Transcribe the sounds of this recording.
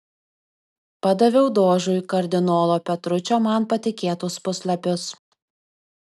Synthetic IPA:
pɐd̪ɐʋʲɛʊd̪oːʒʊjkɐɾʲd̪ʲɪnoːlˠoːpʲɛt̪ɾʊt͡ʃʲoːmɐnpɐt̪ʲɪkʲeːt̪ʊspʊsʲlʲˠɐpʲʊs

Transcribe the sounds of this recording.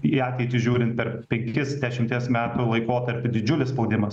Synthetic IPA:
iɑːt̪ʲɛɪt̪ʲɪʒʲuːɾʲɪnt̪pʲɛrpʲɛŋʲkʲɪsd̪ʲæʃʲɪmʲt̪ʲiɛsmʲæːt̪uːlˠɐɪkoːt̪ɐɾʲpʲʊd̪ʲɪd͡ʒʲʊlʲɪsspɒʊd̪ʲɪmɐs

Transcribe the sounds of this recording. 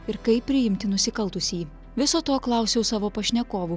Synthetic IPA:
ɪɾkɐɪpːʲɾʲɪjɪmʲt̪ʲɪnʊsʲɪkɐlˠt̪ʊsʲiː | ʋʲɪsoːt̪oːklˠɐˑʊsʲɛʊsɑːʋoːpɐʃʲnʲɛkoːʋu

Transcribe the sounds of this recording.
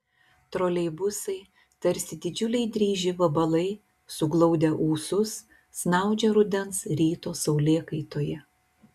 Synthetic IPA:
t̪ɾoːlʲɛɪbʊsɐɪ | t̪ɐɾʲsʲɪd̪ʲɪd͡ʒʲʊlʲɛɪd̪ʲɾʲiːʒʲɪʋɐbɐlˠɐɪ | sʊɡlˠɐʊd̪ʲɛʔuːsʊsː | nɑˑʊd͡ʒʲɛɾʊd̪ʲɛnsɾʲiːt̪oːsɐʊlʲeːkɐɪt̪oːjɛ

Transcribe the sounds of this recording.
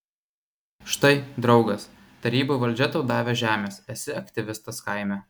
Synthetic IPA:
ʃt̪ɐɪd̪ɾɒʊɡɐs | t̪ɐɾʲiːbuˑʋɐlʲd͡ʒʲɛt̪oʊd̪ɑːʋʲeʒʲæːmʲeːsɛsʲɪɐkt̪ʲɪʋʲɪst̪ɐskɐɪmʲæ

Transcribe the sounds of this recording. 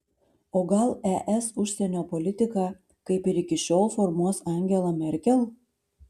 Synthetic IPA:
oːɡɐlˠɛʔɛsʊʃʲsʲɛnʲoːpolʲɪt̪ʲɪkɑ | kɐɪpɪɾɪkʲɪʃʲoːlˠfoɾmuɔsɑˑŋʲɡʲɛlˠɐmʲɛɾʲkʲɛlˠ

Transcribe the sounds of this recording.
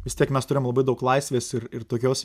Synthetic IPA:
ʋʲɪst̪ʲiɛkmʲɛst̪ʊɾʲɪjmlˠɐbɐɪd̪ɐʊklˠɐɪsʲʋʲeːsɪɾɪɾt̪oːkʲoːs

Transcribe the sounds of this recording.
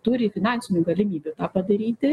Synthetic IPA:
t̪uɾʲɪfʲɪnɑnʲsʲɪnʲuːɡɐlʲɪmʲiːbʲut̪ɑːpɐd̪ɐɾʲiːt̪ʲɪ

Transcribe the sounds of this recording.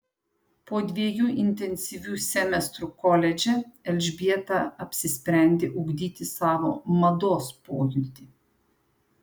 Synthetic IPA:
pɔd̪ʋʲiːjuʔint̪ɛnsiʋusʲɛmɛst̪ɾukɔlʲɛd͡ʒɛɛlʲʒbiɛt̪aapsispɾɛnd̪iʔuɡd̪it̪ʲisaːʋɔ̰mad̪ospoːjud̪i

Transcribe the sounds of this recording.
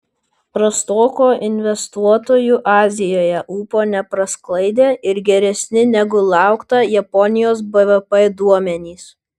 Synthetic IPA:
pɾɐst̪oːkoːʔɪnʲʋʲɛst̪uɔt̪oːjuːʔɑːzʲɪjoːjɛʔuːpoːnʲɛpɾɐsklˠɐɪd̪ʲeːʔɪɾɡʲɛɾʲɛsʲnʲɪnʲɛɡʊlˠɑˑʊkt̪ɐjɛpɔnʲɪjoːs̬bɛʋɛpɛd̪uɔmʲɛnʲiːs

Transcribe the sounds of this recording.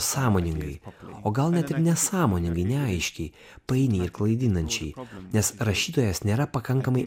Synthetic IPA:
sɑːmoːnʲɪŋɡɐɪoːɡɐlˠnʲɛt̪ɪɾnʲɛsɑːmoːnʲɪ̃ŋɡɐɪnʲɛɐɪʃʲkʲɛɪ | pɐɪnʲeɪɾklˠɐɪd̪ʲɪnɐnʲt͡ʃʲɛɪnʲɛsɾɐʃʲiːt̪oːjɛsnʲeːɾɐpɐkɐŋkɐmɐɪ

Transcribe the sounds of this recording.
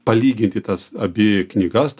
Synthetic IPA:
pɐlʲiːɡʲɪnʲt̪ʲɪt̪ɐsɐbʲɪknʲiːɡɐst̪

